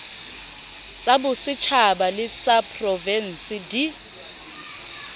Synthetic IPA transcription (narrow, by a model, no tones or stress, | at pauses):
t͡sʼabʊsɪt͡ʃʰabalɪt͡sʼapʰʼrɔvɛn̩sɪdi